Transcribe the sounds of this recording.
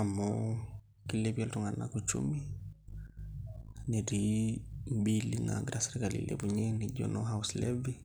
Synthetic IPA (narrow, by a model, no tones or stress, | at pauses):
amɔ | kilɛpialtuŋɡanakut͡ʃṵmi | niɾimbilina̰ɡɾasɛɾikalḭlʔɛ̰βuɲɛniʄɔ̰nɔɦauslɛvi